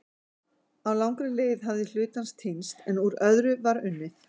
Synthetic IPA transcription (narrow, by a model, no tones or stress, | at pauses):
awlawŋkɾʏlɪjðɦavðɪl̥ʏːt̪anst̪ʰenst̪ɛnuɾœðɾʏvaɾʏnːɪθ